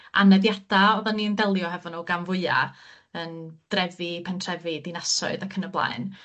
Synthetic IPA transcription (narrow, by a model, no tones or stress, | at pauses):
a̰nɛðjad̥aɔðanːiənðɛlˠjɔɦɛvɔnuːɡanvʊɨa̰ | ənd̥rɛvɪpʰɛntʰrɛvidɪnasɔ̰ɨðakʰənəblˠa̰ɨn